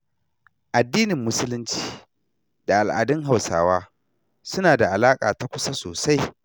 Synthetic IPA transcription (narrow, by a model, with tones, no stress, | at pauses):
ʔa˨dːiː˦nɪ˨mːʊ˦sʊ˦lʊ˦nt͡ʃi̥ː˨ | da˨ʔa˨lʔa̰ː˨dɪ˦ŋɦa˨wsa̰ː˨waː˦ | sʊ˦naː˨da˨ʔa˨laː˦kʼa̰ː˨ta˦kʷʊ˦sa˦soː˨sa˦j